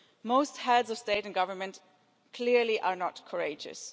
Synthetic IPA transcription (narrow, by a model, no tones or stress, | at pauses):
moʊst̚hɛdzʌv̥steɪɾɨ̃n̩ɡʌvəmɨ̃nt | kʰl̥ɪɹliʔə˞nətkʰə˞eɪd͡ʒɨ̰s